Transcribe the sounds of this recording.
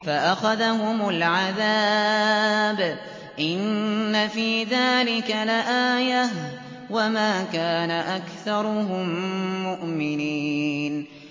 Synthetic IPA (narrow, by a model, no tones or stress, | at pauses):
faʔaxaðaɦʊmʊlʕaðaː | b | ʔɪnːafiːðaːlɪkalaʔaːja | wamaːkaːnaʔakθɑɾˤʊɦʊmːʊʔmɪniːn